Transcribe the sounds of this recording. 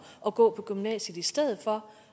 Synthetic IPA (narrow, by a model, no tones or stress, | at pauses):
ʔɒ̽ɡ̥ɔ̰̽ːpʰɒ̽ɡ̥ymnɛ̰ːɕəðˠisd̥eð̞̰ˠð̩ˠfɒ̽